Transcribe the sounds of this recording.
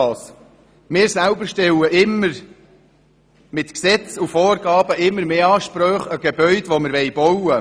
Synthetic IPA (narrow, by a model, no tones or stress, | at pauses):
s | mɪːɾsælbəɾʃtɛwəʔɪməɾ | mɪt̪ksɛt͡sufɔːrɡɑːbəʔɪmːəɾmeːɑːʃpɾœːχəɡ̥ebœʏd̪ʋoməɾʋɛjbɔwə